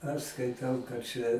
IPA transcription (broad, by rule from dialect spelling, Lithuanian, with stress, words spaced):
ɐʃ skɐɪˈtɐʊ kɐt ˈt͡ʃʲɛ